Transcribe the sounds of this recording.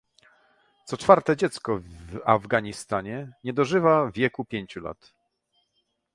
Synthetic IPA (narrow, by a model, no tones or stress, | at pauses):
t̪sɔt͡ʂfaɾt̪ɛd͡ʑɛt̪skɔvavɡaɲist̪aɲɛɲɛd̪ɔʐɘvavʲjɛkupʲjeɲt͡ɕula̰t̪